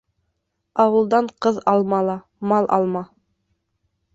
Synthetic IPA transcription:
ɑwɤ̆lˠd̪ɑɴqɤðɑlˠmɑlˠɑ | mɑlˠʔɑ̰lˠmɑ

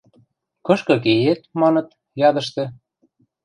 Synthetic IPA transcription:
kɤ̆ʃkɤ̆k̬ejet̪̚mɑnɤ̆t̪̚ | jɑd̪ə̆ʃt̪ĕ

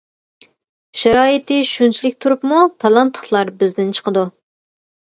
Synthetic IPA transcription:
ʃæɾɑːjɨt̪ʰɨʃunt͡ʃʰilɪk̚ʲt̪ʰuɾupmupʰɑlˠɑnt̪ʰːə̥χlˠɑɾbɪzd̪ɪnt͡ʃʰə̥qəd̪u

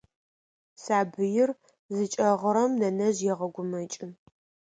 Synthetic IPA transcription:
saːbɨjɪr | zɨt͡ʃʼɐʁəɾɐmnɐnɐʑjɛʁɐɡʷʊmɐt͡ʃʼɪ

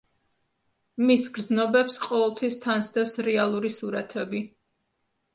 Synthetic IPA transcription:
misɡɾd̪znɔbɛpsqʼɔvɛlˠt̪ʰwist̪ʰansd̪ɛfsɾɛalˠuɾisuɾat̪ʰɛbi

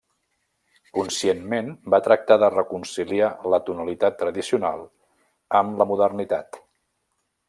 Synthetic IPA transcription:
kunsienmenbat̪ɾək̚t̪aðərəkunsilialət̪unəlit̪at̪ːɾəðisiuna̰lˠ | əmləmuðərnit̪a̰t̪

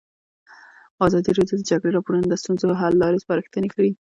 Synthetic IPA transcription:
ɑzɑd̪iɾɑd̪jod̪əd͡ʒaɡɽeɾɑpoɾunod̪əst̪unzoɦalːɑɾespəɾəxt̪ənekaɽi

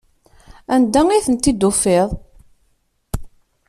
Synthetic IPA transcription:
ænd̪æiθənt̪ːid̪ːufeðˤ

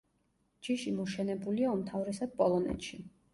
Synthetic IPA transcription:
d͡ʒiʃimɔʃɛnɛbuliaumt̪ʰavɾɛsad̪̥̚pʼɔlˠɔnɛ̰t̪ʃi

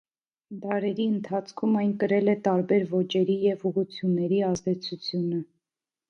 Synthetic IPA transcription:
d̪ɑɾɛɾiənt̪ʰɑt͡sʰkʰumɑjnkəɾɛlɛt̪ɑɾbɛɾvɔt͡ʃɛɾijɛvuʁut͡sʰjunːɛɾiɑzd̪ɛt͡sʰut͡sʰjunə

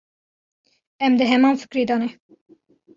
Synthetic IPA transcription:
ɛmd̪ɨɦɛmɑːnfɨ̥kɾeːd̪ɑːnɛ

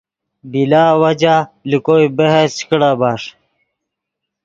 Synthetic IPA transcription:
bilaːwɐd͡ʑalikoibeɦet͡ɕkɽaːbaːʂ

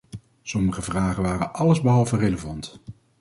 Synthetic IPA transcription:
sɔməχəvraːχənʋaːrənʔɑləzbəɦɑlˠvəreləvɑnt

